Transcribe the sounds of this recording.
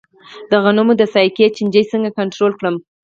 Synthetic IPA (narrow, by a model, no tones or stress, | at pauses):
d̪̥aɣanomod̪əsɑjket͡ʃɪnd͡ʒəjsəŋɡakaɳʈɾolkɽəm